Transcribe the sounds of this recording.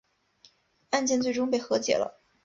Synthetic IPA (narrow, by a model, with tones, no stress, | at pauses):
a˥˧nt͡ɕjɛ˥˧nt͡swe˥˩ɪʈ͡ʂʊ˥ŋpe˥˩ɪxɤ˧˥t͡ɕjɛ̰˨˩lə̰˦